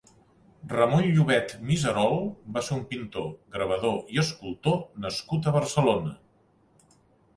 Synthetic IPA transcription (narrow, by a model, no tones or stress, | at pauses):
rəmojʎuβɛt̪mizəɾɔlˠbaseɾumpint̪oɡɾəβ̞əðoiəskulˠt̪onəskut̪əβəɾsəlonə